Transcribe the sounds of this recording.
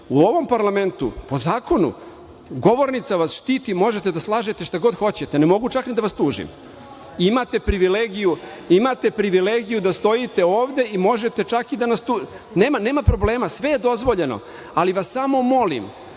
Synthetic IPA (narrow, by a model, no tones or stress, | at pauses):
uo̞ʋo̞mpaɾlˠame̞nt̪ṵpo̞zaːkʰo̞nṵ | ɡo̞ʋo̞ɾnit̪saʋasʃt̪iːt̪imo̞ʒet̪ed̪aslˠaːʒet̪e̞ʃt̪aɡo̞d̪xo̞t͡ɕe̞t̪enemo̞ɡut͡ʃaknid̪aʋast̪uːʒḭm | imat̪e̞pɾiʋileɡijuimat̪e̞pɾiʋileɡijud̪ast̪o̞jit̪e̞oːʋd̪e̞imo̞ʒe̞t̪e̞t͡ʃakid̪anast̪u | neːmane̞ːmapɾo̞ble̞ːmasʋe̞je̞d̪o̞zʋo̞ʎe̞no̞̰ | aliʋasːamo̞mo̞lḭm